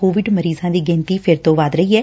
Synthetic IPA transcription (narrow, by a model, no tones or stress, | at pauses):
koːʋɪɖməɾiːzãːd̪iːɡɛ̃ːnt̪iːpʰɪɾt̪õːʋaːd̪ɾəiːɛː